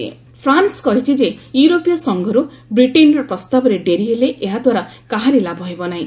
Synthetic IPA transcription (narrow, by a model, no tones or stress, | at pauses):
ḛ | pʰɾanskɔɦit͡ʃʰid͡ʒejuɾopijɔsɔŋɡʱɔɾubɾiʈenɾɔpɾɔst̪abɔɾeɖeɾiɦeleʔːɦad̪ʱwaɾakaɦaɾelabɔɦebɔnaɦĩ